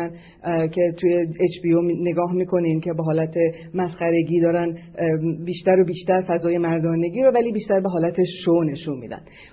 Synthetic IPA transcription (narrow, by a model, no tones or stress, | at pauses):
æn | cʰe̞t̪ʰujeet͡ʃbione̞ɡɒːɦmiːkʰo̞nincʰe̞beɦɒːlæt̪ʰe | mæsxæɾe̞ɡiːd̪ɒːɾæn | biːʃt̪æɾobiːʃt̪æɾfæzɒːje̞mæɾd̪ɒːne̞ɟiːɾovæliːbiːʃt̪æɾbe̞ɦɒːlæt̪ʰe̞ʃone̞ʃunmḭːd̪æ̰n